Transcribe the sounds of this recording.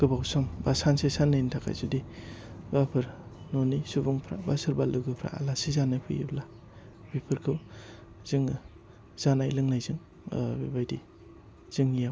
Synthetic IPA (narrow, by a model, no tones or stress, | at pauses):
ɡ̥ɯbawsɔmbasansesanːajntʰaka̰jzudibapʰɯɾnonisubuŋpʰɾabasɯɾbalɯɡɯpʰɾa̰a̰lasizanajpʰɯjḭbla | bipʰɯɾkʰɯwz̥ɯŋ | z̥anajlɯŋnajzɯŋ | bibajdi | z̥ɯŋijaw